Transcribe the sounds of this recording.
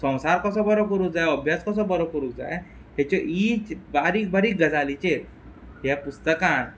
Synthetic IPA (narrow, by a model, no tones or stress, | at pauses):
sɔ̃w̃saɾkəsɔbəɾopəɾukd͡zajəbʱjaskɔs̬ɔbəɾopuɾukd͡za̰j | ɦɛt͡ɕɔʔit͡ɕbaɾiːk̚baɾiːk̚ɡəd͡zalit͡ɕeɾ | ɦjɛpust̪əkãn